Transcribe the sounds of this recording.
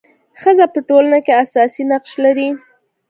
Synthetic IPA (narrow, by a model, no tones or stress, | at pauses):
xəzapəʈolanakeasɑsinaqʃlaɾi